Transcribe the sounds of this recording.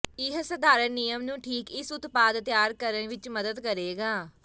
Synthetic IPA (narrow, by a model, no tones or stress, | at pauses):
ɪɦsəd̪aːɾənɪjəmnũːʈʰiːkɪsʊt̪paːd̪t̪jaːɾkəɾəɳʋɪt͡ʃməd̪əd̪kəɾeːɡaː